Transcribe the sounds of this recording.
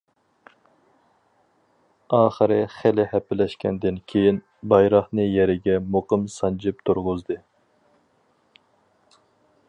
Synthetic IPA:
ɑːχəɾɨχɪlɪhɛpɪlɛʃkʲʰɛ̰nd̪ɪnkʲʰejin | bɑjɾɑχnɨjɛɾɪɡʲɛmoqɨmsɑnd͡ʒɪp̚t̪ʰuɾʁʊzd̪ɨ

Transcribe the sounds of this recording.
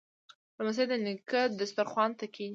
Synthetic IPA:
ləmas̬aed̪ənɪkad̪əst̪əɾxwɑnt̪akʰi

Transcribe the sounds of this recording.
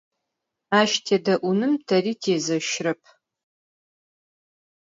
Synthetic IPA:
aːʃtʰeːdɐʔʷʊnɨmtʰɐriːtʰeːzɐʃrɐpʰ

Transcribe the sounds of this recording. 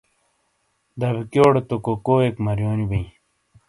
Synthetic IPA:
d̪ɐbikjoːɽet̪okokoːekmɐɾjoːnibiĩ

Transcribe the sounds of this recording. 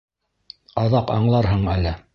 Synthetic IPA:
ɑðɑqɑɴlˠɑɾɦɤɴælːɘ

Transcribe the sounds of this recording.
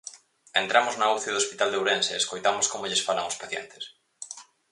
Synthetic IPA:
ent̪ɾamoznauθioðospit̪ald̪ewɾenseːskojt̪amoskomoʎesfala̰ŋospaθjɛ̰nt̪ɪ̥s

